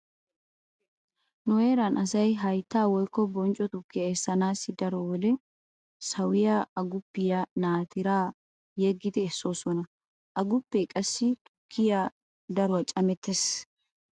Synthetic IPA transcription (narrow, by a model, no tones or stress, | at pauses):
nʊweːɾɐnʔɐsɐjɦɐjt̪ːaːwɔjkːɔbɔnt͡ʃʼɔt̪ʊkːɪjɐɛsːɐnaːsːɪd̪ɐɾɔwɔd̪ɛ | sɐwɪjaɐɡʊpːɪjanaːt̪ɪɾaː | jeɡːɪt̪ɛːsːoːsɔnɐ | ʔɐɡʊpːɛkʼɐsːɪt̪ʼʊ̥kʰːɪja | d̪ɐɾʊwɐt͡ʃʼɐmɛt̪ːes